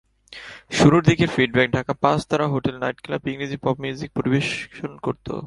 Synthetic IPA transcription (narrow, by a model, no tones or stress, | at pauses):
ʃuɾuɾd̪ʱikeɾfiɖ̚bɛk̚ɖʱakapãt͡ɕt̪ʰaɾaɦoʈelnajʈklapiŋɾid͡ʑipɔbmjud͡ʑik̚poɾibeʃʃonkoɾt̪o̰